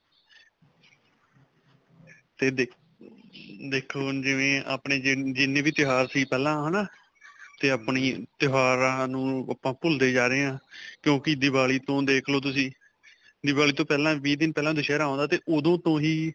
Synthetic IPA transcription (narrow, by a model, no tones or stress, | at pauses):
t̪eː | d̪eːkʰːoːd͡ʒɪʋẽːa̰ːpɳeːd͡ʒɪnːẽːʋiːt̪ɪɦaːɾsiːpɛːlãːɦənaː | t̪eːəpniːt̪ɪɦaːɾãːnũːapãːpʊld̪eːd͡ʒaːɾeeːãːkjõːkɪd̪ɪbaːliːt̪õːd̪eːkʰloːt̪̬ʊsĩː | d̪ɪbaːliːt̪õːpɛːlãːʋiːd̪ɪnpɛːlãːd̪ʊʃɛːɾaːõːnd̪aːt̪eːʔod̪õːt̪õːɦiː